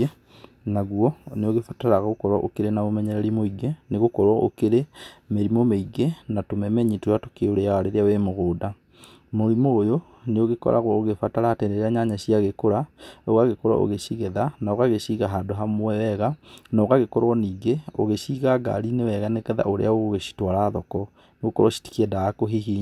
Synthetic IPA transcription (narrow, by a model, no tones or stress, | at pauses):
naɣwɔneoɣefataɾaɣaɣokɔɾwaʔokeɾenamomɛɲɛɾɛɾimoiɡeneɣokɔɾwɔʔokeɾemeɾimomeiɡenatomɛmɛɲitojato̥keoɾeawaɾeɾeawemoɣoːda | moɾimoːjo | neoɣekɔ̰ɾʔa̰ɣwɔoɣefataɾatendeɾeaɲaɲaɕiaɣekoɾaoɣaɣekoɾwa̰ʔo̰ɣeɕiɣeðanaoɣaɣeɕiɣaɦadoɦamowɛwɛɣanaoɣaɣekɔɾwɔniːɡeoɣeɕiɣaɡa̰ɾinewɛɣanekɛða̰ʔoɾḛaoɣoɣeɕi̥twaɾaːðɔkɔ | nneɣokɔɾwɔɕi̥ti̥kɛdaːkoɦiɦiː